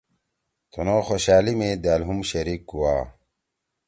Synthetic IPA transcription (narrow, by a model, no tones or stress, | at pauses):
t̪unoxoɕaːlimẽd̪aːlɦumɕɐɾiːk̚ɡuwaː